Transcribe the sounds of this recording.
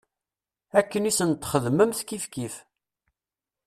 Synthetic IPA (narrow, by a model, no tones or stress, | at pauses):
ækːənisənt̪χəðməmθkifkif